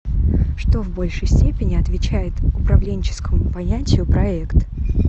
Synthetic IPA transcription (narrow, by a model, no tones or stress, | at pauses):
ʂt̪o̞vbo̞lʲʂɨjsʲtʲepʲɪnʲɪɐt̪vʲɪt͡ɕæjɪt̪ʊpɾɐvlʲenʲt͡ɕɪ̥skəmʊpɐnʲætʲɪjʊpɾɐɛkt̪